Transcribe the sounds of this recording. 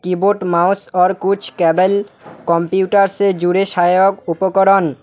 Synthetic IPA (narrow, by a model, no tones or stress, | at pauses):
kiboʈmawsɔɾkut͡ɕʰkɛbelkɔmpiuʈaɾsed͡ʑuɾeʃajokupokoɾon